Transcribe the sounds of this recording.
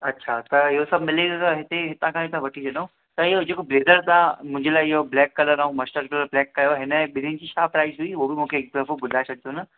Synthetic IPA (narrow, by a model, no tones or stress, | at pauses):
ɐtːʃʰat̪ɐjosɐbmɪleɡt̪ɐɦɪt̪eɦɪt̪ãkʰãɦɪt̪ãʋɐʈʰid͡ʑɐnaũ | t̪ɐjod͡ʒeːkobleːd̪əɾt̪ãmʊ̃ɦɪ̃ɲd͡ʒʱelaːjɦoblɛːkːɐləɾaːɦũmɐsʈəɾkɐləɾblɛːkːɐjoɦɪnəbɪnĩnd͡ʑiʃaːpɾaːɪzɦuiʋobʱimʊ̃kʰeːk̚d̪ɾəfobʊd̪ʱaesɐk̚d̪ona